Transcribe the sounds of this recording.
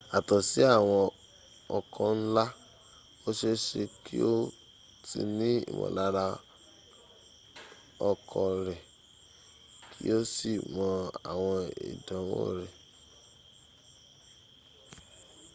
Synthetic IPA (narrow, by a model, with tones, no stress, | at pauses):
a˨tɔ˨si˨˦a˦˨w̃ɔ̃˧ | ɔ˧kʰɔ̃˧n̩˦la˦ | o˦ʃe˦ʃe˧kʰi˦o˦ | tḭ˧nĩ˦ḭ˨mɔ̰̃˨la˨˦ɾa˧ | ɔ˧kʰɔ˧ɾɛ˨ | kʰḭ˦o˦si˦˨mɔ̃˧a̰˨w̃ɔ̃˧ḭ˨dã˨˦wo̰˦˨ɾɛ˨